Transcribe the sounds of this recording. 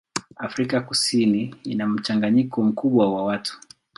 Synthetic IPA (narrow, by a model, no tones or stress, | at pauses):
afɾikakusiniinam̩t͡ʃaŋɡaɲikɔm̩kuɓwawawatu̥